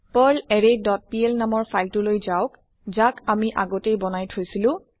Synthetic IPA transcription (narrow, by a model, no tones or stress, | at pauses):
pɔlɛɹedɔt̚piɛlnamɔɹpʰajtulojzaʊk | zakamiʔaɡɔtejbɔnajtʰojsilʊ̃